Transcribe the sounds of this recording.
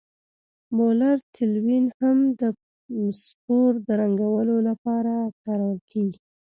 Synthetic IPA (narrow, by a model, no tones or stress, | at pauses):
molaɾt̪ʰɪlwinhamd̪ə | spoɾd̪əɾaŋɡawəlolapɑɾakɑɾawəlkeɡi